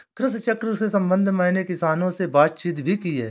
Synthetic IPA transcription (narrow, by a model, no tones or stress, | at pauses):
kɾɪst͡ʃəkɾəsesɐ̃mbə̃nd̪ʱmɛːnekɪsaːnõsebaːd̪t͡ʃiːt̪bʱikiɦɛ̰ː